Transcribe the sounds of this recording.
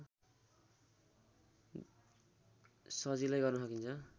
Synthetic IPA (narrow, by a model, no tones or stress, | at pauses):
sʌd͡zilajɡʌrnusʌkint͡sʰʌ